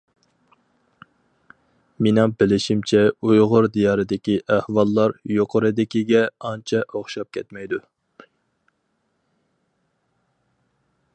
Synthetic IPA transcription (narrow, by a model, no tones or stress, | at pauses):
menɪŋbɪlɪʃimt͡ʃʰɛujʁʊɾd̪ijɑːɾɨd̪ɪkʲiʔæhwɑlˠːɑɾjoqʰəɾɨd̪ɪkʲiɡʲɛɑnt͡ʃʰɛʔoχʃɑp̚kʲʰɛt̪mɛjd̪u